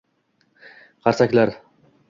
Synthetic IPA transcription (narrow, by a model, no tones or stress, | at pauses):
qʰɑɾsakʲlaɾ